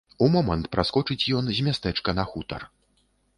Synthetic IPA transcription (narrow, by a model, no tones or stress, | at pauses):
umɔmɐnt̪pɾaskɔt͡ʂɨt͡sʲjɔnzʲmʲast̪ɛt͡ʂkɐnɐxut̪ɐ̰r